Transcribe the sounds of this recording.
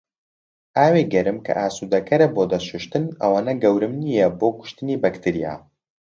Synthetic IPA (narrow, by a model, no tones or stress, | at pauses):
ʔaːweɡɐɾɨmkʰɐ̰ʔaːsuːd̪ɐkʰɐɾɐboːd̪ɐʃuʃt̪ɨnɐ̰waːnɐɡɐwɾɨmnijɛboːkʊ̥ʃt̪ɨniːbɐkt̪ʰɨɾija̰ː